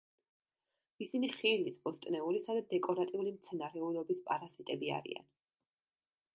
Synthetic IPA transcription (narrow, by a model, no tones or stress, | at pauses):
isiniχilisbɔst̪ʼnɛulisad̪ad̪ɛkʼɔɾat̪ʼiulimt̪sʰɛnaɾɛulɔbispʼaɾazit̪ʼɛbia̰ɾḭa̰n